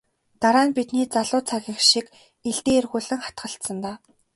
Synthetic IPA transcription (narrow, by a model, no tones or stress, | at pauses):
t̪aɾaːnpit̪niːt͡saɮʊːt͡sʰaɣʲĭxʃik | eɮt̪eːerɣuːɮɘ̆ŋχḁt̪ɢə̆ɬt̪sə̆nt̪aː